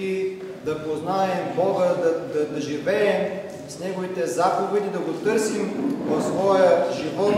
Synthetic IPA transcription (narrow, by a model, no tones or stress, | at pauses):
i | d̪ɐpoznaɛmbɔɡəd̪ɐd̪ɐd̪ɐʒivɛːm | snɛɡovit̪ɛzapovɛd̪id̪ɐɡot̪ɤɾsimvɐfsvɔjəʒivɔt̪